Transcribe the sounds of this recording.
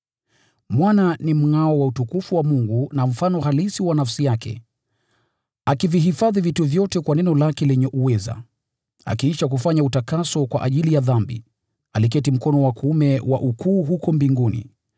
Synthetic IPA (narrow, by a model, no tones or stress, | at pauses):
mwananim̩ŋaɔwautukufuwamuŋɡunam̩fanɔhalisiwanafsijakʰɛ̰ | akiviɦifaðivituvjɔtɛkwanɛnɔlakɛlɛɲɛʔuwɛza̰ | a̰kiiʃak̬ufaɲautakasɔkwa̰ʔaʄilijaðambḭ | alik̬ɛtim̩kɔnɔwakumɛwa̰ʔukʰuːɦukɔmbiŋɡunḭ